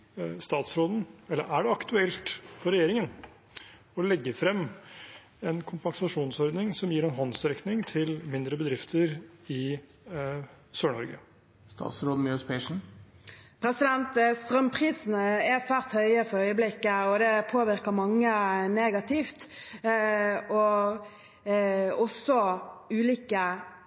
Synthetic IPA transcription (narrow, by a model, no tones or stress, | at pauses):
st̪ɑːt̪sɾoːd̪n̩ɛlːə̰ʔæɖɛɑkt̪ʉɛlt̪pʰɔɾɛjeːɾɪŋən | ɔlɛɡːəfɾɛmː | ɛnkʰʊmpɑŋsɑʂuːnsɔɾd̪nɪŋsɔmjiːɾɛnɦɑnsɾɛknɪŋt̪ʰɪlmɪnd̪ɾəbəd̪ɾɪft̪ʰəɾɪ | søːɳɔɾɡə̰ | st̪ʰɑ̰ːt̪sɾoːd̪møspʰɛʂɳ̩ | pʰɾɛsɪd̪ɛnt̪st̪ʁœmpʰɾiːsn̩əɛsæːʁt̪hœʏəfɔœʏəblɪkːəɔd̪ɛpʰoːʋɪɾkəmɑŋːəneːɡɑt̪ʰɪft̪ | ɔ | ɔsːɔʉːliːkə